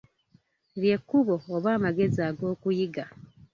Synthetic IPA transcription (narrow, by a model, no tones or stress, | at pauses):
βje̞kːuβo̞ːβaːmaɡe̞ziaːɡo̞ːkujiɡa